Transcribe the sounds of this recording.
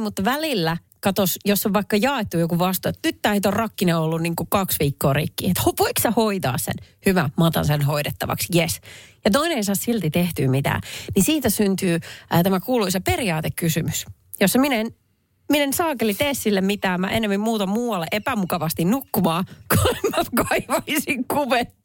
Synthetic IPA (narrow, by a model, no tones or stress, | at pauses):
mut̪ːɑʋælilːæ | kɑt̪osjosːoʋʋɑikːɑjɑːet̪ːujokuʋɑst̪oet̪nyt̪t̪æhit̪orɑkːineolːunniːŋkukɑksʋiːkːoːrḭkːḭːet̪hoʋoiksɑhoit̪ɑ̰ːssḛnhyʋæmɑt̪ɑ̰nsenɦoidet̪ːɑ̰ʋɑ̰ksjesjɑt̪oineeisɑːssilt̪it̪eht̪yːmit̪æ̰ːnisiːt̪æsynt̪yːt̪æmækuːluiseperiɑːt̪ekkːysymys | josːɑminen | minensɑːkelit̪eːssilːemmit̪æːmːæ̰ʔenːemːimmuːt̪ɑmuːwɑlːeʔepæmukɑʋɑst̪innukːumɑːkolimːɑt̪kɑiʋɑisiŋkuʋet̪ː